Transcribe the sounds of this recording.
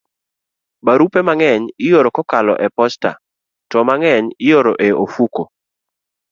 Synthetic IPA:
baɾupemaŋɛɲɪjoɾokɔkalɔ̰ʔɛpɔsta̰ | tɔmaŋɛɲɪjoɾoʔeofuko

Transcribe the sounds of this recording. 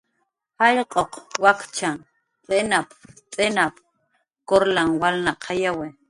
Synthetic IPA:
haʎqʼoqwakt͡ʃaŋ | t͡sʼenapt͡sʼenap | koɾlaŋwalnaqʰajawe

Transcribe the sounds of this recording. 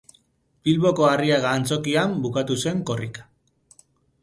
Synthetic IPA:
b̥ilβo̞ko̞ariaɣaːnt͡so̞kiambukat̪use̞ŋko̞rikḁ

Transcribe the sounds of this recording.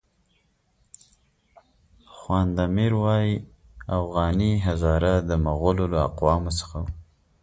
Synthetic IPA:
xwɑnd̪amiɾwɑji | afɣɑniɦazɑɾad̪əmaɣololaa̰qwɑmosə̥xaw

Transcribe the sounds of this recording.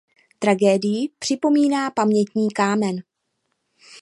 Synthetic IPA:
t̪ɾaɡɛːdɪjɪpr̥ɪpo̞miːnaːpamɲɛt̪ɲiːkaːmɛn

